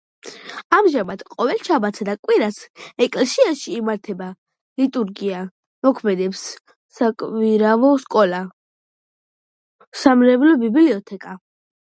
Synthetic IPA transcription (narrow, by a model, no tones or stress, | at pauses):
amʒamad̪̥qʼɔvɛlˠʃʰabat̪sʰad̪akʼwiɾasɛkʼlɛsiaʃiːmaɾt̪ʰɛba | lit̪ʼuɾɡia | mɔkʰmɛd̪ɛps | sakʼviɾavɔskʼɔla | samɾɛvlɔbibliɔt̪ʰɛkʼa